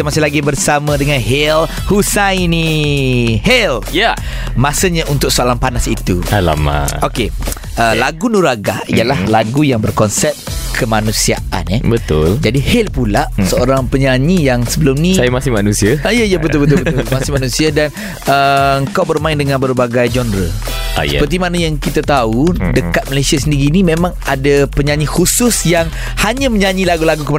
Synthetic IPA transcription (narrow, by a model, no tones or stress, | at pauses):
amasɪlaɡibərsamãdəŋanɦel | husajni | helja | mãsəɲaʔunt̪ʊk̚soalanpanasit̪uala̰ma̰oke | əlaɡunuɾaɡa̰ijalahlaɡujaŋbərkɔnsɛp̚kʰəmanũsia̰ʔʔa̰nəbət̪ʊld͡ʒadihɛlpulaʔsəoɾaŋpəɲaɲijaŋsəbəlʊmnĩsajamasɪmanũsiajaijabət̪ʊlbət̪ʊbəʊlmasɪmanũsiadan | əəŋkawbərmaɪndəŋãnbəɾbaɡajd͡ʒɔndɾə̰ | əpərt̪̬imanajaŋkit̪at̪audəkat̪̚məlesiasəndiɾiːnimẽmãŋadapəɲaɲĩhusʊsjaŋ | haɲãməɲaɲĩlaɡulaɡukəm